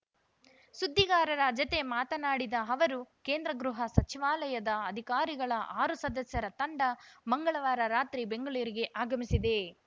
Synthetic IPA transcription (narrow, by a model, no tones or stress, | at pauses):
sud̪ʱːiɡaːɾɐɾad͡ʒɐt̪e̞maːt̪ɐnaːɽid̪ɐɦɐʋɐɾukeːnd̪ɾɐɡɾuɦɐsɐt͡ʃiʋaːlɐjɐd̪ɐːd̪ʱikaːɾiɡɐɭɐʔaːɾusɐd̪ɐsjɐɾɐt̪ɐɳɖɐmɐŋɡɐɭɐʋaːɾɐɾaːt̪ɾibeŋɡɐɭuːɾiɡe̞ʔaːɡɐmisid̪e̞